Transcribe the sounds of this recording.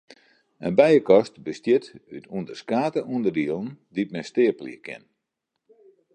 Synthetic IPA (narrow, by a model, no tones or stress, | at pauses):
ənbɛjəkɔstbəstjɪtytundərskaːtəundərdiəlˠəndit̚mɛstɪəplḭəkʰɪ̰n